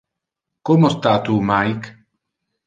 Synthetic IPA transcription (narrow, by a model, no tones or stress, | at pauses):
komost̪at̪umajk